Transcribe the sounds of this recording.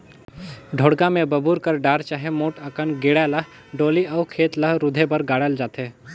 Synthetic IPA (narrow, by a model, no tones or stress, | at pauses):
ɖʱoːɽɡãmẽbəbuːɾkəɾɖaːɾt͡ʃaːɦemoːʈəkənɡeːɽaləɦ | ɖoːliəːkʰeːt̪ləɦɾʊd̪ʱebəɾɡaːɽəld͡ʒaːt̪ʰeː